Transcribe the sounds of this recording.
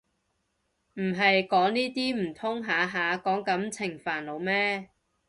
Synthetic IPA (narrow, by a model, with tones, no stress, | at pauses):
m̩˨˩ɦɐ˨jkɔː˨˥ŋniː˥t̪iː˥m̩˨˩t̪ʰʊ˥ŋɦaː˨˥ɦaː˨˧kɔː˨˥ŋkɐ˨˥mt͡sʰɪ˨˩ŋfaː˨˩nlo˨˧wmɛː˥